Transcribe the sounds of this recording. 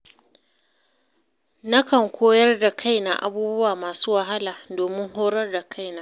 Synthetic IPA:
nɐ˦kɐ˨ŋkʷoː˦jɐ˦rda˨kʰa˦jna̰˨ʔa̰˦buː˦bʊ˦waː˨maː˨suː˦wɐ˨ɦa˦laː˨doː˨mɪ˦ŋɦoː˦ɽɐ˦rda˨kʰa˦jnaː˦

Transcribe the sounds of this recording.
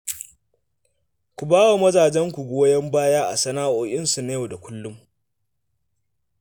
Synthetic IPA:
kʷu˨baː˦wa˨mɐ˦zaː˨d͡ʒɛ˦ŋkʷu˨ɡʷoː˦jɛ˦mbaː˦jaː˦ʔa̰˨sɐ˦naː˦ʔoː˨ʔɪ˦nsu˨na˦jɐ˨da˨kʷʊ˦lːʊ˦m

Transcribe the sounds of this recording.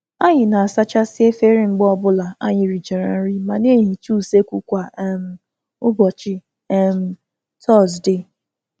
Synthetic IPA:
a˦ɲɪ˨na˨a˨sa˦t͡ʃa˦sɪ˦e˦fe˦ɾi˦ŋ͡m̩˨ɡ͡bɔ˦ɔ˨bʊ˦la˨a̰˦ɲɪ˨ɾi˨d͡ʒe˨ɾa̰˨n̩˦ɾi˦ma˨ne˦˨ɲi˨t͡ʃu˦˨se˦kʷu˦kʷa˨˦m̩˦ | ʊ˦bɔ˨t͡ʃɪ˦ | ɛ˦m̩˦ | tʰɔ˦˨sdɪ˦

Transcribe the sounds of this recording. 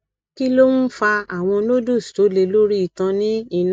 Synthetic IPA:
ki˦lo˦nũ˦fa˧a˦˨w̃ɔ̃˧lo˦do˦˨sto˨˦le˧lo˦ɾi˦i˦˨tã˧nĩ˦i˧n

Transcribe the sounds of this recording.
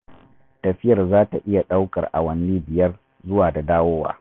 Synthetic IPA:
tɐ˨ɸɪ˦jɐ˨rzaː˦ta˨ʔɪ˦ja˨ɗa˦wkɐ̰˨rʔa̰˨wɐ˦nːiː˦bɪ˨jɐ˦r | zʊ˦waː˨da˨daː˦woː˦wa̰ː˦

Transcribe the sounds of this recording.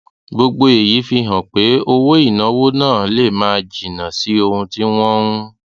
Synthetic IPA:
bo˧ɡ͡bo˧e˨ji˨˦fi˧ɦã˨k͡pe˨˦o˧wo˦i˦˨nã˨˦wo˦nãː˦˨˦le˦˨mãː˦˧d͡ʒi˨nã˨si˨˦o˧hũ˧ti˦w̃ɔ̃˦ũ˦

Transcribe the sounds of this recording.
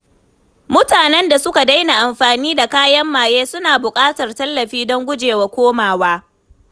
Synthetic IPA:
mʊ˦taː˨nɛ˦nda˨sʊ˦ka˨da˦jna˨ʔa˨mɸaː˨niː˦da˨kaː˦jɐ˦mːaː˨jeː˦sʊ˦naː˨bʊ˨kʼaː˦tɐ˨rtɐ˦lːɐ˨ɸiː˦dɔ˦ŋɡʷʊ˦d͡ʒeː˨wa˦kʷoː˦maː˨waː˦

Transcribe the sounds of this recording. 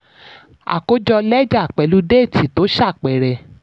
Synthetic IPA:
a̰˨ko˦d͡ʒɔ˧lɛ˦d͡ʒa˦˨k͡pɛ˨lu˦de˦˨ti˨to˨˦ʃa˦˨k͡pɛ˨ɾɛ˨

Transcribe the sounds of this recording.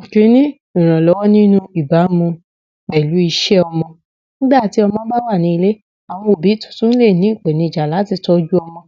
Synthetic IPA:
kĩ˨˦nĩ˦ | ĩ˨ɾ̃ã˨lɔ˨˦wɔ˦nĩ˦nũ˦i˨ba˨˦mũ˧ | k͡pɛ˨lu˨˦i˧ʃɛ˦ɔ˧mɔ̃˧ | n̩˦da˦˨ti˨˦ɔ˧mɔ̃˧˦ba˦wa˦˨nĩ˨˧˦i˧le˦ | a˨w̃ɔ̃˧o˨bi˨˦˨tũ̥˨˦tũ˦n̩˦le˦˨nĩ˨˦i˦˨k͡pe˨nĩ˧˨d͡ʒa˨la˨˦ti˦˧˨tɔ˧d͡ʒu˦ɔ˧mɔ̃˧

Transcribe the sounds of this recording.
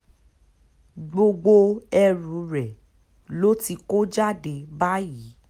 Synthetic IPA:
ɡ͡bo˧ɡ͡bo˧ɛ˧ɾũ˨˦ɾɛ˨ | lo˦ti˧ko˦d͡ʒa˦de˨˦ba˦ji˨˦

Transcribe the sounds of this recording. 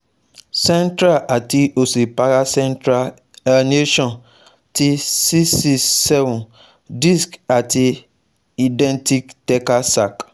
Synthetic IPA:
sɛ̃˦ntɾa˦ʔa˨ti˦o˨se˨pa˦ɾa˦sɛ̃˦ntɾa˦˨ | ne˦ʃɔ̃˨n | ti˦si˦si˦sɛ˦vũ˨n | di˦ska˨ti˦ | i˨dɛ̃˦nti˦ktɛ˦ka˦sa˨k

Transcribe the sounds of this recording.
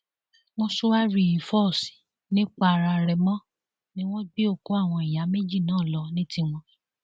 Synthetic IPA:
w̃ɔ̃˧su˦wa˦ɾi˨i˨fɔ˦˨si̥˨ | nĩ˦k͡pa˦˨˧ɾa˧ɾɛ˨mɔ̃˦ | nĩ˦w̃ɔ̃˦ɡ͡bi˦o˦˨ko˨˦a˦˨w̃ɔ̃˧i˨ja˨˦me˦d͡ʒi˦˨nãː˨˦˨lɔ˨˧nĩ˦ti˦w̃ɔ̃˧

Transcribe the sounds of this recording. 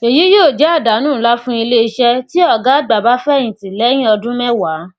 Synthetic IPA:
e˨ji˨˦jo˦˨d͡ʒɛ˨˦a˦˨da˨˦nũː˦˨˦la˦fũ˦i˧le˦i˧ʃɛ˧ti˦ɔ˦˨ɡa˨˦ɡ͡ba˨ba˨˦fɛ˦˨j̃ĩ˨ti˨lɛ˨˦j̃ĩ˦ɔ˧dũ˦mɛ̃˦wa˨˦

